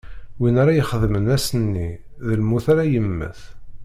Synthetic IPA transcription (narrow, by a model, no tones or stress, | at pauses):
winaɾajəχəðmənæsənːi | ðəlmuθaɾajəmːə̰θ